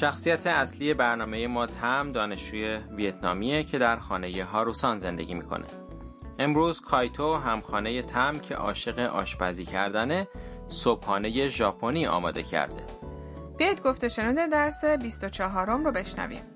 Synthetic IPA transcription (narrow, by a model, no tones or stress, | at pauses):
ʃæxsijæt̪ʰe̞æsliːje̞bæɾnɒːme̞je̞mɒːt̪ʰæmd̪ɒːne̞ʃd͡ʒuːje̞viet̪ʰnɒ̰ːmiecʰe̞d̪æɾxɒːne̞je̞ɦɒːɾusɒːnze̞nd̪e̞̰ɟiːmiːkʰo̞̰ne̞̰ | ʔe̞mɾuːz̥kʰɒːjt̪ʰoɦæmxɒːne̞je̞t̪ʰæmcʰe̞̰ʔɒ̰ːʃe̞ɣe̞ʔɒ̰ːʃbæziːcʰæɾd̪æne̞ | sob̥hɒːne̞je̞ʒɒːpʰo̞niːɒ̰ːmɒ̰ːd̪e̞̰cʰæ̰ɾd̪e̞̰ | b̥eid̪ɡoft̪eʃe̞nuːd̪ed̪æɾsebist̪ot͡ʃʰɒːɦɒːɾomɾobe̞ʃnæ̰vḭm